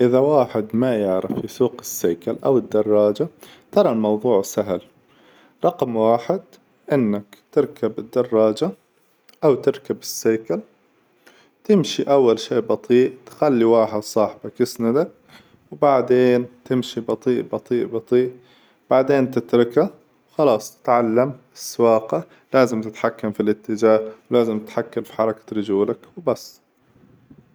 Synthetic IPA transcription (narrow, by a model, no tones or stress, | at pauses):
ʔɪðawaːħɪd̪majɪʕɾɪfɪsuːqɪsːeːkalʔa̰wɪd̪ːɑrˤːɑːd͡ʒat̪ɑɾˤɑlmɑwðˤuːʕsaɦl | ɾˤɑqmwaːħɪd̪ | ʔɪnːakt̪ɪɾkabɪd̪ːɑrˤːɑːd͡ʒa | ʔawt̪ɪɾkabɪsːeːkal | t̪ɪmʃiʔawːalʃeːʔbɑt̪ˤiːʔt̪xalːiwaːħɪd̪sˤɑːħbakɪsnad̪ak̚ | wbaʕd̪eːnt̪ɪmʃibɑt̪ˤiːʔbɑt̪ˤiːʔbɑt̪ˤiːʔ | b̥aʕd̪eːnt̪ɪt̪ɾɪka | wxɑlɑːsˤt̪ʕalːam | ɪsːawɑːqa | laːzɪmt̪ɪt̪ħakːamfilʔɪt̪ːɪd͡ʒaːhwlaːzɪmt̪ɪt̪ħakːalfi̥ħɑɾˤɑkḁɾɪd͡ʒuːlakwbasː